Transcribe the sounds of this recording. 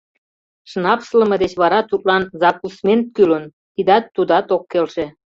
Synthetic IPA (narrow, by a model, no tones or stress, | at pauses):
ʃnɑpslə̆mə̆d̪et͡ɕβɑɾɑt̪ut̪̚lɑnzɑkusment̪̚kylən | t̪id̪ɑt̪ːud̪ɑt̪okːelʃe